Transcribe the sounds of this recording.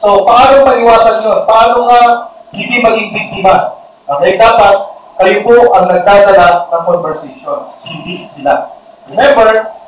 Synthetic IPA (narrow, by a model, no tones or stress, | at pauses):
sopɐʔaːnoŋpɐʔɪwaːsɐnɲonpɐʔaːnoŋahɪnd̪imɐɡiŋbɪk̚t̪ɪmas | ɐkɐjd̪aːpat̪̚kɐjopoʔɐŋnɐɡ̚d̪aːd̪ɐlap̚nɐŋkonvɛɹsɐʃonhɪnd̪iʔsɪla | ɹɛmɛ̃mbɛɹ